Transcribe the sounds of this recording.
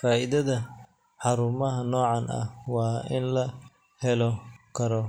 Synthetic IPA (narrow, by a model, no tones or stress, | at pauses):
faːɪðɐðɐ | ħɑɾʊmɐɦɐnɔːʕɑnʔɐ̰hwɑːɪnlɐ | hɛlɔkʰɐɾɔ